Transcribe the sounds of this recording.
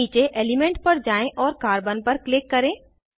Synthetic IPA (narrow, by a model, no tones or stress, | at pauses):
iːt͡ʃeʔeːlimẽɳʈ̚pɐɾd͡ʒaːẽʔɔːɾkaːɾbənpɐɾklɪkːɐɾẽː